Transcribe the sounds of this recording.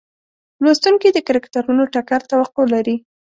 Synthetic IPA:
lost̪uŋked̪əkaɾakt̪aɾunoʈakaɾt̪awaqːolaɾi

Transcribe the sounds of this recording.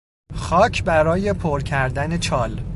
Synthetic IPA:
xɒːcʰbæɾɒːje̞pʰoɾcʰæɾd̪æne̞t͡ʃʰɒːl

